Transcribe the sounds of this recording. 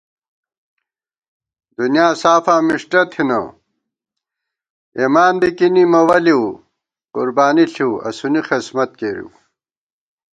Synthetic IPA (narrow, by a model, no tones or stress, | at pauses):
d̪unijaːsaːfaːmiʂʈɐt̪ʰinɐ̰ | emaːnb̪ikinimɐwɐliw | qṵɾbaːniɬiwɐ̰sunixesmɐt̪̚keːɾḭw